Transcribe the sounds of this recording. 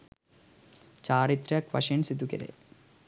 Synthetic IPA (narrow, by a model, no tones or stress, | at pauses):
t͡ɕaːɾit̪ɾɐkʋɐ̰ʂɐnsid̪ukɐ̰ɾḛ